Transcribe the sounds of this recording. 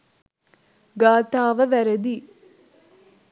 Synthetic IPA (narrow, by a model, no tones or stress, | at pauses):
ɡaːt̪aːʋɐʋæɾɐd̪i